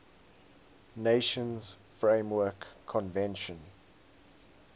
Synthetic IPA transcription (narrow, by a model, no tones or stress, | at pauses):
neʃə̃nz̥fɹẽɪ̃mwɜkʰːɔ̃nvɛ̃nʃə̃n